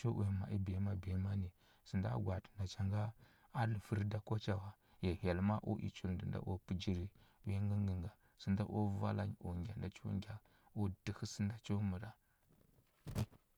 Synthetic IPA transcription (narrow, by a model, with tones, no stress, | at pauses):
t͡ʃo˦we˨ma̰˨ʔi˦be˨˦ma˦be˨˦ma˦ni˨ | si˨nda̰˦ɡʷa˨tnda˨t͡ʃa˦ŋɡa˦ | a˦lə˨fə˦ɾda˨ko˦t͡ʃa˨wa˨ | je˨ha˨lma˦ʔo̰˦ʔḭ˨t͡ʃu˦˨ldə˨nda̰˦ʔo˦pu˦d͡ʒi˦ɾi˨wi˦ŋɡə˦ŋɡə˨ŋɡa˨ | sə˨nda˦ʔo˦va̰˦la̰˦ɲo˨ɡʲa˨nda˨t͡ʃṵ˦ŋɡʲa˨ | o˦d̥ə˨xə˦sə˦nda˦t͡ʃo˦mə˨ɾa˨